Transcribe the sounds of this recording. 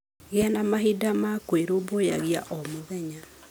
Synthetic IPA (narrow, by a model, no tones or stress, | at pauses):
ɣeanamaɦidamakweɾoboja̰ɣiaʔɔmoðɛɲa